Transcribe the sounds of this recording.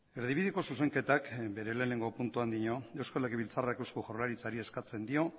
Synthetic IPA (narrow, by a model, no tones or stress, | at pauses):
e̞ɾð̞iβiðiko̞suse̞ŋke̞t̪akbe̞ɾe̞le̞ːne̞ŋɡo̞punt̪uand̪iɲo̞e̞wskalekeβilt͡sarakewskoʝawlaɾit͡saɾie̞skat͡se̞nd̪io̞